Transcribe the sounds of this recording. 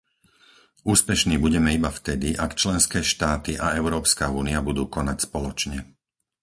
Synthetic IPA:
uːspɛʃniːbuɟɛmɛibaft̪ɛd̪iʔakt͡ʃlɛnskɛːʃt̪aːt̪iʔaɛʊɾɔːpskauːniabud̪uːkɔnacspɔlɔt͡ʃɲɛ

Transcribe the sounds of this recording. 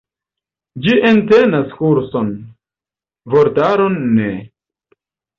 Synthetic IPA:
d͡ʒiʔentenaskuɾson | voɾtaɾonːe

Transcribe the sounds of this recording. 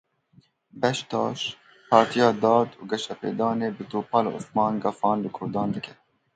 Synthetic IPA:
bɛʃt̪ɑːʃ | pʰɑːɾt̪ʰijɑːd̪ɑːd̪uːɡɛʃɛpḛːd̪ɑːneːbɨt̪oːpɑːlṵsmɑːnɡɑfɑːnlɨkʰʊɾd̪ɑːnd̪ɨkʲʰɛ̥

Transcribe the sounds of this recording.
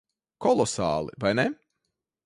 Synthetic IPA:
kɔlˠɔsa̰ːlˠḭvajnɛ

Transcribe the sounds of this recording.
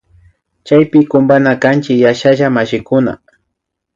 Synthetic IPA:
t͡ʃajpɪkʊmbanakant͡ʃɪjaʃaʒamaʃɪkʊna̰

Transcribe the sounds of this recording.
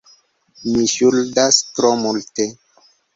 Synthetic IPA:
miʃuldastɾomulte

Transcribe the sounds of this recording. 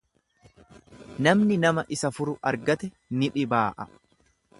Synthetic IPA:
nɐmnɪnɐmɐʔɪsɐfʊɾʊʔɐɾɡɐt̪ɛ | nɪᶑɪbaːʔɐ

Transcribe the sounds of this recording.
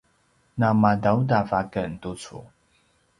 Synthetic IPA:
namadawdavakəntut͡sṵ

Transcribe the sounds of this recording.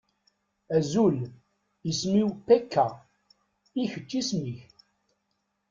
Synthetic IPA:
æzul | ismiwpækːæ | içət͡ʃːismiç

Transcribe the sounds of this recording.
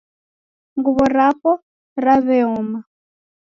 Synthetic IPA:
ŋɡuβɔɾapɔ | ɾaβɛɔːma

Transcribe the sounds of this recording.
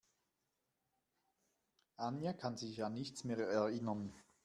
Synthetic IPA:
ʔanjakʰanzɪçanːɪçt͡smeːʁɛɐɪnən

